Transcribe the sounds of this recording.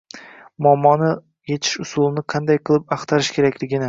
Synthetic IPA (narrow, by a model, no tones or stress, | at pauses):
mʊamːɒnɪ | je̞t͡ʃʰɪ̥ʃʊsulˠɪnɪqʰɑnd̪ajqʰɨlˠɪpɑqt̪ʰaɾɪʃkʲʰe̞ɾakʲlɪɡʲɪnɪ